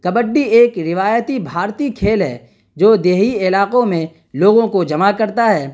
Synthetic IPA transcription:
kɐbəɖːieːkɾɪʋaːjət̪ibʱaːɾt̪ikʰeːlɦɛ̰ː | d͡ʒoːd̪eːɦiɪlaːqõmẽ | loːɡõkod͡ʒɐmakɐɾt̪aɦɛː

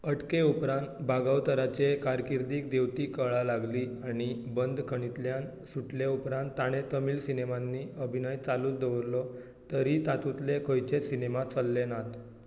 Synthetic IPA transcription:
əʈkeupɾãnt̪bʱaɡawt̪əɾat͡ɕekaɾkiɾd̪iːkd̪eʋt̪iːkəɭalaɡliːaɽ̃ibənd̪ʱkʰəɽ̃it̪ljan | suʈleupɾãnt̪ːaɽ̃et̪əmiːlsinemanːiəbʱinəjt͡saluːt͡sd̪eʋɾlɔ | t̪əɾit̪at̪ut̪lekʰəjt͡ɕesinemat͡səlːenat̪

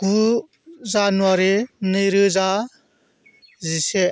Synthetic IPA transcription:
ɡ̥u | zanuaɾenɯjɾɯza | zise

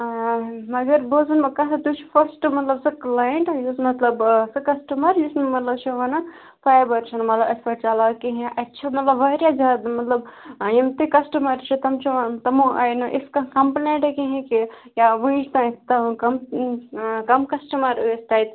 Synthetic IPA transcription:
mɐɡɐɾboːzɐnɐkɐsɐt̪ut͡ʃʰi̥fʰɐɾsʈmɐt̪lɐbsɨklaːjəɳʈɐjusmɐt̪lɐbsɨkɐsʈɐmɐɾjusnmɐt̪lɐbt͡ʃʰiʋɐnɐ | paːjbɐɾt͡ʃʰɐnmɐt̪lɐbɐspɐʈt͡ʃalakiɦẽʔɐtːt͡ʃʰɐmɐt̪lɐbʋaɾʲjazaːd̪mɐt̪lɐbimt̪ikɐsʈɐmɐɾt͡ʃʰit̪ɐmt͡ʃʰiʋɐnt̪ɐmũʔa̰ːjnɐʔɪskɐkɐmpnẽɳʈɐkiɦẽkijaʋũĩʃt̪ɐ̃it̪ɐ̃kɐm | kɐmkɐsʈɐmɐɾesʈaːjt̪

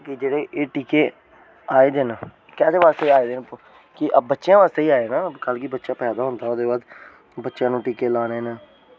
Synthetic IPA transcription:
kid͡ʒeːɽeːʔeːʈiːkeː | aːeːd̪eːnː | kɛːd̪eːʋaːst̪eːaːeːd̪eːn | kɪʔbətːʃjãːʋaːst̪eːiːaːenaːkəlkibətːʃaːpɛːd̪aːɦʊnd̪aːod̪eːʋaːd̪ | bətːʃãːnũːʈiːkeːlaːneːnaː

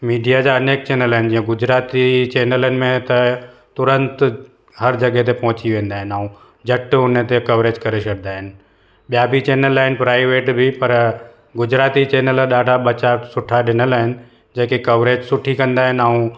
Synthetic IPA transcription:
miːɖijad͡ʑaɐneːk̚t͡ɕeːnəlaɦɪnɪ̆d͡ʑĩːə̃ɡʊd͡ʑɾaːt̪it͡ɕeːnələnɪ̆mẽt̪ɐ | t̪ʊɾə̃nt̪ | ɦɐɾd͡ʑɐɡɛt̪̬epɐ̃ɦʊ̃t͡ɕiʋẽːnd̪aːɦɪn̆aːũ | d͡ʑɐʈʊnət̪ekɐʋɾeːd͡ʑkɐɾeʃɐɽnaːɦɪnɪ̆ | ɓijabʱit͡ɕeːnəlaːɦɪnɪpɾaːɪʋeːʈbʱɪpɐɾ | ɡʊd͡ʑɾaːt̪it͡ɕeːnələɗaːɖʱaɓɐt͡ɕasʊʈʰaɗɪnəlaːɦɪnɪ̆ | d͡ʑeːkikɐʋɾeːd͡ʑsʊʈʰikɐ̃nd̪aːɦɪnaũ

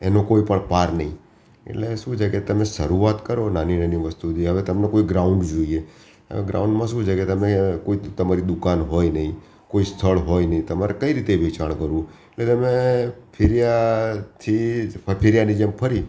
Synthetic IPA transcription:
enokoipəɳpaɾnə̰ɦĩ | ḛʈleʃũd͡ʒaket̪əmeʃəɾuat̪kəɾonaninəniʋəst̪ut̪iɦəʋet̪əmnekoiɡɾauɳɖd͡ʒoie | ɦə̰ʋeɡɾa̰ũɳɖmãʃũd͡ʒket̪əmekoit̪əmaɾid̪ʊkanɦojnəɦĩ | koist̪ʰəɭɦojnəɦĩt̪əmaɾekəiɾit̪eʋʱit͡ʃaɳkəɾũeʈlet̪əmepʰɪɾijat̪ʰipʰɪɾijanid͡ʒempʰəɾi

